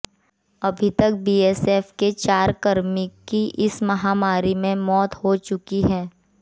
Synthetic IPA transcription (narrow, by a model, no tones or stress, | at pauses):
ɐbʱit̪ɐk̚biːeːseːfket͡ʃaːɾkəɾmɪkiʔɪsmɐɦaːmaːɾimẽmɔːt̪hot͡ʃʊkiɦɛː